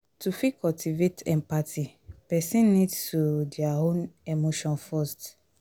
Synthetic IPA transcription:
tufikɔltʰivetʰɛ̃mpatʰi | pɛsĩnːĩdsudiaɦõnemoʃɔ̃nfɔst

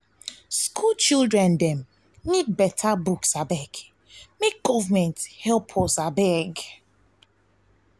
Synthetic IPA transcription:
skʰult͡ʃilˠdɹɛ̃ndɛ̃m | nid̚bɛtʰabuksabɛk | mek̚ɡ̥ɔvamɛ̃nthɛlˠpʰɔsabɛɡ

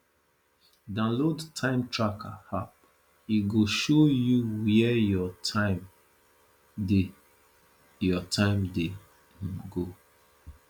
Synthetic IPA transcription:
dãnlodtʰãɪ̃mtɹakʰa̰hap̚ | iɡoʃojuwiɛjɔtʰãɪm | de | jɔtʰãɪ̃mde | ɡo

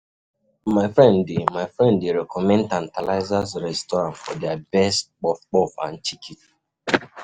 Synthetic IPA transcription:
maɪfɾɛ̃ndɪmaɪfɾɛ̃ndɪɾɛkɔmɛ̃n̩tãn̩tala̰ɪzazɾɛstɔɾãnfɔdɛabɛst̚k͡pɔfk͡pɔfã̰n̩t͡ʃikʰit

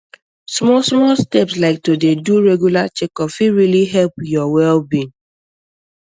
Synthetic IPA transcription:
smɔsmɔlstɛpslaɪk̚todeduɹeɡjulat͡ʃekɔfiɹiliɦɛlpjɔwɛlbĩn

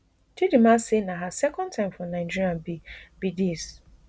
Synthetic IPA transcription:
tʰidimasenãɦasɛkʰɔ̃ntʰãɪ̃mfɔ̃nãɪd͡ʒiɾiãnbib̥idis

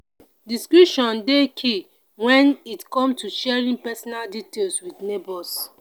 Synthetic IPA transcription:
diskɹuʃɔ̃ndekʰi | wɛ̃nitkɔ̃mtuʃɛɹĩnpɛsɔnalditelswidnebɔs

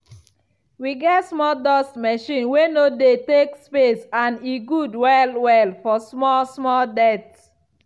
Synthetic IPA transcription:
wiɡɛtsmɔldɔstmɛʃĩnwenodetekspesãniɡudwɛlwɛlfɔsmɔsmɔldɛts

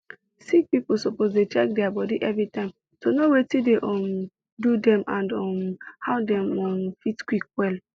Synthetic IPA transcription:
sik̚pipol̩sopozdet͡ʃɛk̚dɛabɔdiʔɛvɹitãɪ̃m | tonowetideʔɔ̃m | dudɛ̃mãndɔmhadɛ̃mɔ̃mfitkwik̚wɛl

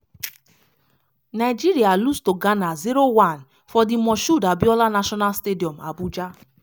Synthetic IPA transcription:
najd͡ʒiɾialustoɡanaziɾowan | fɔdɪmɔʃudabjɔlanaʃɔnalstediɔm̩a̰bud͡ʒa

